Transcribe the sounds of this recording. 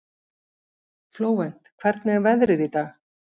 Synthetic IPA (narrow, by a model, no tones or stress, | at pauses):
floːwvɛn̥t̪kʰvɛɾt̪nɛvɛðɾɪðit̪aɣ